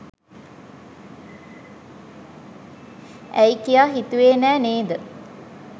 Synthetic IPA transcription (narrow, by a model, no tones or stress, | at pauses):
æjikijaːɦit̪uʋeːnæːneːd̪ə